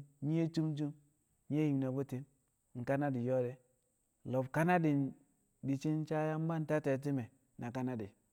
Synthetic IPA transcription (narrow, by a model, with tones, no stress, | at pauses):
ɲi˦e˦t͡ʃu˦mt͡ʃu˦m | ɲ˦e˦ji˨mna˨bo˦te˦m | ŋ̩˨ka˦na˦di˨jo˦de˦ | lo˨bka˦na˦di˨ | di˨t͡ʃi˦n˦t͡ʃa˦ja˦m̩˦ba˦n˦ta˦te˨t̬i˦me˨ | na˨ka˦na˦di˨